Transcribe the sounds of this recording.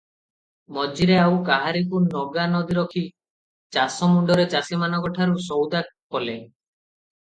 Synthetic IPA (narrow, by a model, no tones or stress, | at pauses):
mɔd͡ʒiɾeawkaɦaɾikunɔɡanɔd̪iɾɔkʰi | t͡ʃasɔmuɳɖɔɾet͡ʃasimanɔkɔʈʰaɾusɔwd̪akɔle